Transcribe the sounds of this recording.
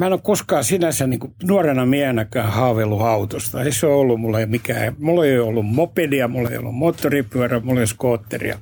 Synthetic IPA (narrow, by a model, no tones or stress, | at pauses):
mæˑenokkoskɑːsinæsæniːŋkunuɑrenɑmiæhenækæːhɑːʋelːuɑut̪ost̪ɑeiseoːolːummulːemikæ̰ːmulːeijoolːummopeliɑmulːḛḭo̰lːṵmmoːt̪ːoripyæræmulːeskoːt̪ːḛrḭɑ̰